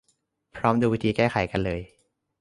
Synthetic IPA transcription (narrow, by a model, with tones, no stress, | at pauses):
pʰɾɔː˦˥mduː˧wi˦˥t̪ʰiː˧kɛː˥˩xʰa˨˩˦jka˧nlɤː˧j